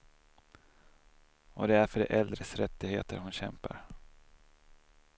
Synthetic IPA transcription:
ɔd̪ɛæɾfœɖɛʔɛld̪ɾəsɾɛt̪ːɪheːt̪əɾhʊnɕɛmpa̰ɾ

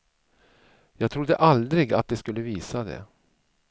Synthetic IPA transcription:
jɑːɡ̚t̪ʰɾʊd̪ːəʔald̪ɾɪɡat̪̚d̪ɛskɵlːəviːsad̪ɛ̰

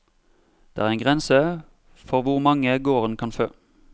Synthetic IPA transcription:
d̪̥eːæːʁɛnŋɡʁɛnsə | fɔʁʋʊʁmɑŋəɡoːʁənkʰɑnføː

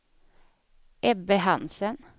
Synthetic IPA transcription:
ʔɛbəhɑnsən

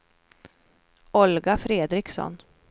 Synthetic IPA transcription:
ɔlɡafɾeːd̪ɾɪksɔ̰n

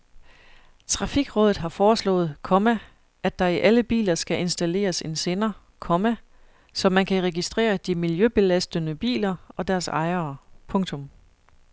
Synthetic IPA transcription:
t͡sʰʁɑ̈fiɡ̥ʁɔ̽ːðˠð̩ˠɦɑ̈fɒːslɔ̰̽ːð̩ˠkʰɒ̽mæ | ʔæd̥ɑ̈iʔæləb̥ḭːlɐsɡ̥æʔe̝nsd̥æle̝̰ːɐse̝nse̝ːnɐ | kʰɒ̽mæ | sɒ̽mænkʰæʁɛɡ̥isd̥ʁḛːɐd̥imiljøb̥e̝læsd̥ənəb̥ḭːlɐɒ̽d̥æɐsɑ̈ɪɐpʰɔ̽ŋt͡sʰɔ̽m

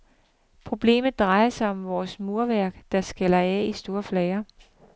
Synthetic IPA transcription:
pʰʁo̝b̥le̝̰ːmð̩ˠd̥ʁɑ̈ɪɐsɑ̈ɪɒ̽mʋɒːsmoɐʋæɐ̰ɡ̥d̥ɑ̈sɡ̥elɐɛisd̥o̝ːɐflɛɪɐ

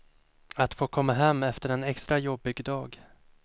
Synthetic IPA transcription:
at̪foːkʰɔmːaɦɛmːɛft̪əɾɛnɛkst̪ɾajɔbɪɡd̪ɑːɡ

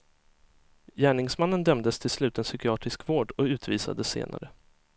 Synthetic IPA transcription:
jæːɳɪŋsmanːənd̪ɛmd̪əst̪ʰɪlslʉ̟ːt̪ɛnsʏkɪɑːt̪ɾɪskvoːɖɔʉ̟ːt̪ʰviːsa̰d̪əsḛːnʔa̰ɾə

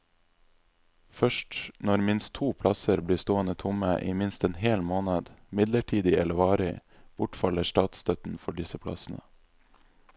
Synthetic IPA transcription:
fœʃʈnɔɾmɪnst̪ʰuːpʰlɑsəɾbliːst̪oːənət̪ʰʊməʔiːmɪnst̪ɛːnheːlmoːnəd̪mɪd̪ləʈʰiːd̪ɪɛləʋɑːɾɪ | b̥ʊʈfɑləsʈɑːt̪st̪ʰœt̪n̩fɔɖɪsəpʰlɑ̰sn̩ə̰

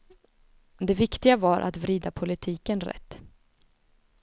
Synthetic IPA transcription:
d̪ɛvɪkt̪ɪɡavaɾʔa̰t̪vɾiːd̪apʰʊlɪt̪ʰiːkənɾɛ̰t̪ː

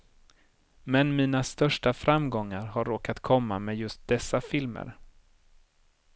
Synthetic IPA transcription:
mɛnmiːnast̪œʂʈafɾamːɡɔŋːaɾɦaɾːoːkat̪kʰɔmːamɛːjɵst̪̚d̪̥ɛsːafɪlmə̰ɾ

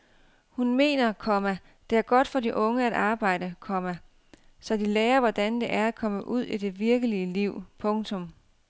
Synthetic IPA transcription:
hunme̝̰ːnɐkʰɒ̽mæ | d̥e̝æɐɡ̥ɒ̽d̥fɒ̽diʔɔ̽ŋəæd̥ɑ̈ːb̥ɑ̈ɪ̰d̥əkʰɒ̽mæ | sɒ̽d̥ileːɐʋɒd̥ænd̥e̝ʔæɐækʰɒ̽məʔuð̞̰ˠid̥e̝ʋiɐɡ̥əliəliʊ̰pʰɔ̽ŋt͡sʰɔ̽m

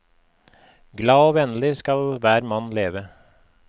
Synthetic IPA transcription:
ɡlɑːoːʋɛnlɪskɑlʋæːɾmɑnleːʋə

